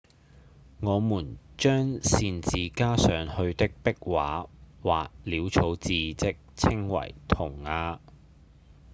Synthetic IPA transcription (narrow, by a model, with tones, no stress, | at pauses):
ŋɔː˨˧muː˨˩nt͡ʃœː˥ŋsiː˧nt͡siː˨kaː˥sœː˨˧ŋhɵ˧ɥt̪ɪ˥k̚pɪ˥k̚waː˨˥waː˨k̚liː˨˥wt͡sʰo˨˥wt͡siː˧t͡sɪ˥k̚t͡sʰɪ˥ŋwɐ̰˨˩jt̪ʰʊ˨˩ŋːaː˧